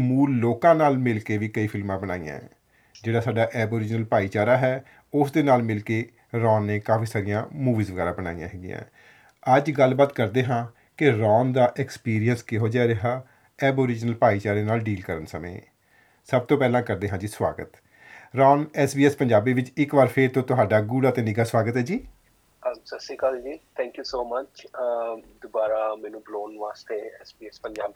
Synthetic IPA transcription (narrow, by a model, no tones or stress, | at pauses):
muːlːoːkãːnaːlmɪlkeːʋiːkəiːpʰɪlmãːbənaːḭjã̰ː | d͡ʒeːɽaːsaːɖaːʔɛːboːɾɪd͡ʒnəlpaːiːt͡ʃaːɾaːɦɛː | ʊsd̪eːnaːlmɪlkeː | ɾɔ̃ːnːeːkaːfiːsaːɾɪjãːmuːʋiːzʋəɡɛːɾãːbəna̰ːḭjã̰ːɦɛːɡɪjã̰ː | əd͡ʒɡəlbaːt̪kəɾd̪eːɦãː | kɪɾɔːnd̪aːʔɛkspiːɾijənskɪɦoːd͡ʒaɾɪɦaː | ɛːboːɾɪd͡ʒnəlpaːiːt͡ʃaːɾeːnaːlɖiːlkəɾənsəmə̰̃ː | səb̚t̪õːpɛːlãːkəɾd̪eːɦãːd͡ʒiːsʋa̰ːɡət̪ | ɾɔːnɛːsbiːɛspəɲd͡ʒaːbiːʋɪt͡ʃɪkʋaɾpʰeːɾt̪õːt̪ʊɦaːɖaːɡuːɽaːt̪eːnɪɡaːswaːɡət̪ɦɛːd͡ʒiː | əsəsiːkald͡ʒiːt̪ʰɛ̃ːŋkjuːsoːmət͡ʃ | d̪ʊbaːɾaːmɛːnũːbloːnʋaːst̪eːɛsbiːɛspəɲd͡ʒaːb